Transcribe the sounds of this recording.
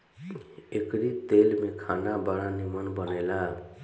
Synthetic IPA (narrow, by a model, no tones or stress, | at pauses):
ekɾit̪elmekʰanabaɽanimənbənela